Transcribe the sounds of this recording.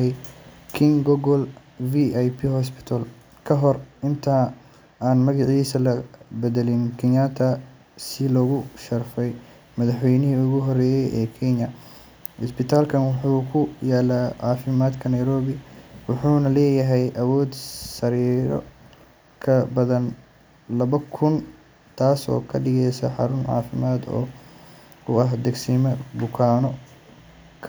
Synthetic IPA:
ɛjkʰɪŋɡɔɡɔl | viajpʰihɔs̬pʰɪ̥t̪ʰɐl | kʰɐɦɔrɪnt̪ʰaː | aːnmɐɣɑʕiːsɐlɐbɛðɛlɪnkʰɪnat̪ʰɐ | sɪlɔːɣʊʃɐrfɛj | mɐðɐħwɛjnɪɦiʊɣʊɦɔrɛːjɛjɛːkʰɛnɐ | hɔspɪt̪ʰaːlkʰɐnwʊħuːkʰʊjaːlaːʕɑːfɪmaːd̪kʰɐnɐjɾɔːβɪwʊħuːnɐlɛːjɐɦɛjʔɐwɔːd̪sɐɾiːɾɔ̰ | kʰɐbɐðɐn | lɐβɐkʰʊn | t̪ʰaːsɔ̰ːkʰɐɖɪɣɛjsɐ̰ħɑɾʊnʕɑ̰ːfɪmaːd̪ɔ̰ː | ʊɐɦd̪ɛɡsiːmɐbʊkʰaːnɔ | kʰɐ

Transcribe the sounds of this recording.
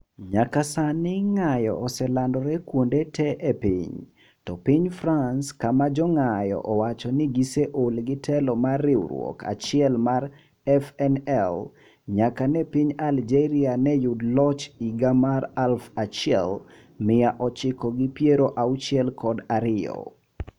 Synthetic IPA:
ɲakasanɪŋajɔ̰ːsɛlandɔɾɛkwondetʰɛʔepɪ̰ɲ | tɔpɪɲfɾanskamad͡ʒɔŋajɔ̰ʔɔwat͡ʃɔnɪɡiseʔolɡɪtʰɛlɔmarːɪw̰ɾwɔ̰kʰa̰t͡ʃɪɛlmar | ɛfɛnɛl | ɲakanɛpiɲald͡ʒɛɾianɛjudlɔt͡ʃiɡamaɾalfat͡ʃɪɛ̰l | mɪaʔɔt͡ʃɪkɔɡɪpjeɾoʔaut͡ʃiɛlkʰɔdaɾɪɔ̰

